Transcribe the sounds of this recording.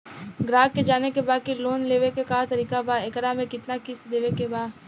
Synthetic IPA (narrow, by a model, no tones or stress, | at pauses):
ɡɾaːɡked͡ʒaːnekebaːd̪̚kiloːnleːʋekekaːt̪ɐɾiːkabaekɾamẽkɪt̪nakɪsd̪eːʋekebaː